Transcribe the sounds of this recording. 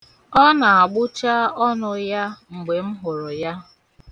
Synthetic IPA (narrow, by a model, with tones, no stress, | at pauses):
ɔ˦na˨a˨ɡ͡bʊ˦t͡ʃa˦ɔ˦nʊ˨ja˦ŋ͡m̩˨ɡ͡be˨m̩˦ɦʊ˨ɾʊ˨ja˦